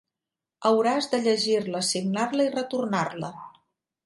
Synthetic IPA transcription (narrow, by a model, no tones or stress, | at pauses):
əwɾazd̪əʎəʒirləsiɡnarləirət̪urnarlə